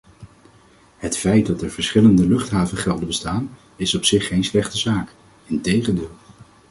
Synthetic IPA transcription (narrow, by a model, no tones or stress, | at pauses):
ɦətfɛjt̚dɑtɛɹv̥əɹsχɪləndəlɵχtɦaːvəχɛlˠdəbəstaːn | ɪsɔpsɪχːejnslɛχtəzaːk | ɪntejχəndɪːlˠ